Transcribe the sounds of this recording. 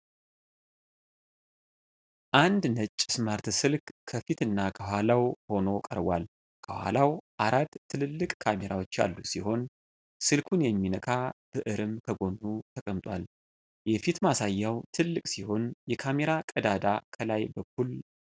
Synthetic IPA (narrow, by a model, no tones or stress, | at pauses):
ʔand̪nət͡ʃʼːsmaɾt̪sɨlkkʰəfit̪ɨnːakʰəɦʷalawho̞no̞kʼə̰ɾbwal | kʰəhwa̰lawʔaɾat̪ʰːɨlɨlːɨkʼkʰameɾawo̞t͡ʃːja̰lːusiho̞n | sɨlkʰunjɛmːinəkʼʰab̥ɨʔɨɾɨmkʰəɡo̞nːut̪ʰəkʼəmt̪ʼwal | jɛfit̪masajːawt̪ʰɨlːɨkʼsiho̞njɛkʰame̞ɾakʼəd̪ad̪akʰəlajbəkʰul